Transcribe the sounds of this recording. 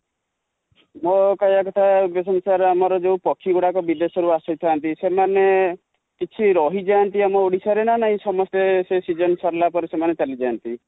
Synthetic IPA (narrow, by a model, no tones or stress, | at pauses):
mokajakɔt̪ʰauɡjɔsɔnsaɾeamɔɾɔd͡ʒeũpɔkʰːiɡuɽakɔbid̪esɔɾuasɔjt̪ʰant̪isemane | kit͡ʃʰiɾɔɦid͡ʒant̪iamɔoɽisaɾenanaɦĩsɔmɔst̪esesid͡ʒɔnsɔɾlapɔɾesemanet͡ʃalid͡ʒant̪i